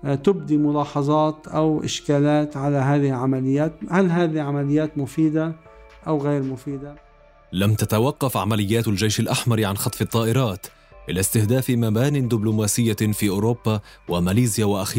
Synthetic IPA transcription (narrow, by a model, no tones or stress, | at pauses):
t̪ɪbd̪imʊlɑːħɑzˤɑːt̪ʔawʔɪ̰ʃkaːlaːt̪ʕalaɦaːðɪhɪʕamalɪjːaːt̪halɦaːðiʕamalɪjːaːt̪mʊfiːd̪a | ʔawɣeːɾmʊfiːd̪a | lamt̪at̪awɑqːɑfʕamalɪjːaːt̪ald͡ʒejʃalʔaħmɑɾʕanxɑt̪ˤfɨt̪ˤːɑːʔɪɾˤɑːt̪ | ʔɪlast̪ɪhd̪aːfɪmabaːnɪnd̪ɪblʊmaːsɪjːafiːʔʊːɾoːbːawamaliːzɪjawaʔaxiː